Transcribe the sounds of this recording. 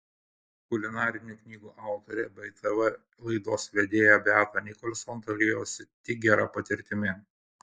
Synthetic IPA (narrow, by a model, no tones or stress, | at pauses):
kʊlʲɪnɑːɾʲɪnʲuːknʲiːɡuːʔɑˑʊt̪ɔɾʲɛbʲɛɪt̪ɛʋɐ | lˠɐɪd̪oːsʋʲɛd̪ʲeːjɛbʲæːt̪ɐnʲɪkɔlʲsɔnt̪ɐlʲejoːsʲɪt̪ʲɪɡʲɛɾɐpɐt̪ʲɪɾʲt̪ʲɪmʲɪ